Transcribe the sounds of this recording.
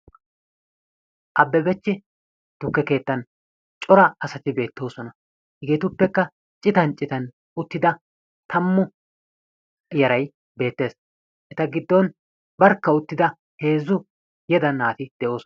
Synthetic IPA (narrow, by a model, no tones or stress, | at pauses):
ʔɐbːɛbɛt͡ʃːɪ | d̪̥ʊkːɛke̞ːt̪ːɐn | t͡ʃʼɔɾɐɐsɐt̪ɪbe̞ːt̪ːo̞ːsɔnɐ | hɪɡeːt̪ʊpːɛkːɐ | t͡ʃʼɪt̪ɐnt͡ʃʼɪt̪ɐn | ʊt̪ːɪd̪ɐ | t̪ɐmːʊ | jɛɾɐj | be̞ːt̪ːe̞ːs | ʔɛt̪ɐɡɪd̪ːɔn | bɐɾkːɐʊt̪ːɪd̪ɐ | he̞ːzːʊ | jɛd̪ɐnːaːt̪ɪd̪̥ɛʔo̞ːsɔ